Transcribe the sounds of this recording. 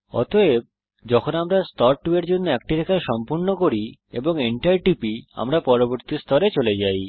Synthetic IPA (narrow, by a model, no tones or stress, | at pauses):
ɔ̰t̪oeb̚ | d͡ʑɔkʰonamɾast̪ɔɾʈueɾd͡ʑonːoɛk̚ʈiɾɛkʰaeʃɔmpuɾnokoɾiḛboŋeɳʈajʈipia̰mɾapɔɾoboɾt̪ist̪ʰɔɾet͡ɕoled͡ʑaj